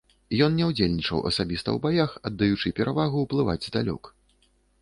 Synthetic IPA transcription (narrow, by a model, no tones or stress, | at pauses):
jɔnnʲɛwd͡zʲelʲnʲit͡ʂɐ̰wʔɐ̰sabʲist̪ɐ̰wbajaxɐd̪ːajut͡ʂɨpʲɛɾʔavaɣuwplˠɨva̰d͡zʲzd̪alʲɔ̰k